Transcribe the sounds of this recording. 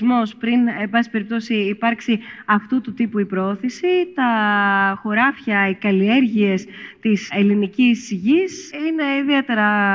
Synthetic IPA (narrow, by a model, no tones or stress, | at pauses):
zmo̞spɾine̞bɐsi̥pe̞ɾip̚t̪o̞siːpɐɾksiɐft̪ut̪ut̪ipuipɾooθisit̪ɐxo̞ɾɐfçɐikɐlie̞ɾʝie̞st̪ise̞linicisʝisine̞iðiet̪e̞ɾɐ